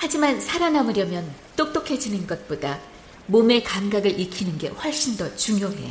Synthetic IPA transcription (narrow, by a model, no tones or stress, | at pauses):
had͡ʑimansʰaɾanamɯɾjʌmjʌn | t͈ok̚t͈okʰe̞d͡ʑunɯnɡʌt̚p͈oda | mome̞kanɡaɡɯɾʔikʰinɯnɡe̞̰ɸwʌɭɕ͈indʌt͡ɕuŋjoɦe̞̰